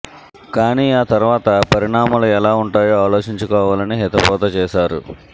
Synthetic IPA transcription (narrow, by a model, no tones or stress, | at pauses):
kaːniːaːt̪ɐɾʋaːt̪ɐpɐɾiɳaːmɐluɛlaːuɳʈaːjoːaːlo̞ːt͡ʃiɲt͡ʃukɔːʋaːlɐniɦɛt̪ɐpɔːt̪ɐt͡ʃɛːʃaːɾṵ